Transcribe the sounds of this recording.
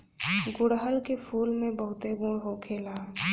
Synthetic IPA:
ɡʊɽɦəlkepʰuːlmẽbəɦʊt̪ebuːɽɦokʰeːlaː

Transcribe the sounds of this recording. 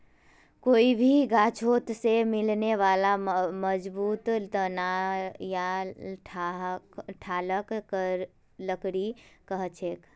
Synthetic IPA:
koːibʱiɡaːt͡ʃʰoːt̪semɪlneʋaːlaməd͡ʒbuːt̪t̪ənajaʈʰ | ʈʰaːləkkəɾ | ləkɾikəɦt͡ʃʰeːk

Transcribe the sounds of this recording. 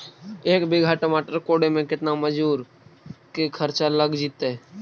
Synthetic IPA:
eːkbɪɡʱaʈəmaːʈəɾkoːɽemẽkɪt̪naməd͡ʒuːɾ | kikʰəɾt͡ʃaləɡd͡ʒiːt̪eɛ

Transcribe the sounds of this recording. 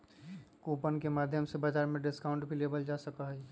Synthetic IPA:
koːpənkemaːd̪ʱjəmsebaːd͡ʒaːɾmẽɖɪskaʊ̃ɳʈbʱileːbəld͡ʒaːsəkaɦɛ

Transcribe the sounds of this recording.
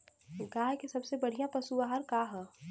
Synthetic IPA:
ɡaːɦkesɐbsebɐɽ̤ijãpɐsuaɦəɾkaːɦɛ

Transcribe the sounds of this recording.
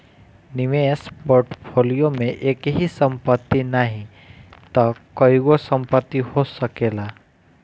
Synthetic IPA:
niʋespoːɾʈpʰoːlijomẽʔeːkɦisə̃mpət̪ːinaɦĩ | t̪ɔkɔiɡosəmpət̪ːiɦosəkela

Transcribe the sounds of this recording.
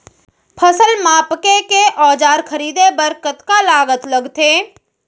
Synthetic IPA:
pʰəsəlmaːpkekeʔɔːd͡ʒaːɾkʰəɾiːd̪ebəɾkət̪kalaːɡət̪ləɡt̪ʰeː

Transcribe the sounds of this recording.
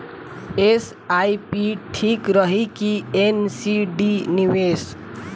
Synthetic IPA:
es | ajpiʈʰikɾʌɦikiensiɖiniwes

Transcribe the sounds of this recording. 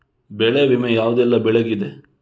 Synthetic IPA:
bɛɭeʋimejaːʋd̪ɛlːɐbɛɭeɡid̪e

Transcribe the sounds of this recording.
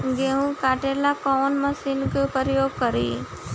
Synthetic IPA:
ɡeɦũkaːʈelakɔːnməsiːnkepɾəɾəjoːɡ̚kəɾḭː

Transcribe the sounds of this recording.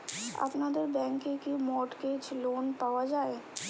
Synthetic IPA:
a̰pnad̪əɾbɛ̃ːŋkekimɔːʈket͡ʃloːnpaːʋad͡ʒaːeː

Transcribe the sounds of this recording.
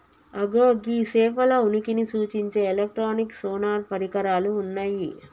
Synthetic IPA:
ɐɡoːɡiseːʋɐlɐunikinisuːt͡ʃiɲt͡ʃe̞ːelek̚ʈɾoːniksoːnaːɾpɐɾikɐɾaːluːnːaːji

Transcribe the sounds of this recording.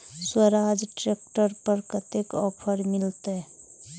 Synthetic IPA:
swəɾad͡ʒʈɾekʈəɾpəɾkət̪ekɔːpʰəɾmɪlt̪e

